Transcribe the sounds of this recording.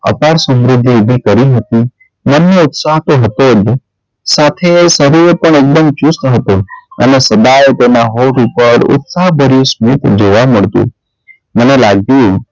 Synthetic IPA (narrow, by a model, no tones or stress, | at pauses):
ə̰paɽsə̃mɾʊd̪ʱːib̪ʱikəɾiɦət̪i | mənːẽʊt̪saɦt̪oɦət̪od͡ʒ | saːt̪ʰesəɾiepəɳeːk̚d̪əmt͡ʃust̪ɦət̪oə̰nesəd̪aet̪enaɦoːʈupəɾʊ̰t̪saɦbəɾjosmit̪d͡ʒeʋaməɽt̪ṵ̃ | mənelaːɡ̚t̪i